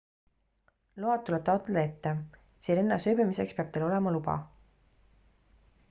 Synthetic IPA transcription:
loɑd̪̚t̪ːule̞b̥̚t̪ɑot̪ːˑɑd̪ɑe̞t̪ːe | seːlenːɑsøːbimise̞kspeɑb̥̚t̪elo̞lemɑlubɑ̰

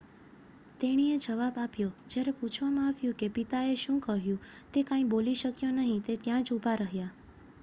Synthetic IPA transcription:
t̪eɽ̃ied͡ʒəʋabapjod͡ʒjaɾeput͡ʃʰʋamãaʋjũkepit̪aeʃũkəɦjũ | t̪ekãĩboliʃəkjonəɦĩt̪et̪jãt͡ʃubʱaɾəɦja

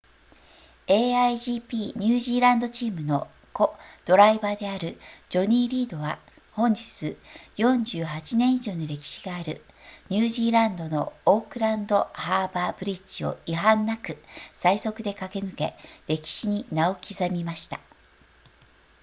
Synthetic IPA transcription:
e̞ːaiʑiːpʲiːɲ̟ɨːʑiːɾãnd̪o̞t͡ɕiːmɯ̟no̞ | ko̞d̪̥o̞ɾaibaːd̪e̞aɾɯ̟d͡ʑo̞ɲ̟iːɾʲiːd̪o̞βa | hõ̞ɲ̟d͡ʑit͡sɨjõ̞ɲ̟d͡ʑɨːhat͡ɕinẽ̞ɰ̃iʑo̞ːɲiɾe̞kʲi̥ɕiɡaːɾɯ̟ | ɲ̟ɨːʑiːɾãnd̪o̞no̞ːkɯ̟ɾãnd̪o̞haːbaːbɯ̟ɾʲit͡ɕio̞̰iɦãnːakɯ̟saiso̞kɯ̟d̪e̞kake̞nɨke̞̰ɾe̞kʲi̥ɕiɲ̟inao̞kʲʰizamʲimaɕi̥t̪a

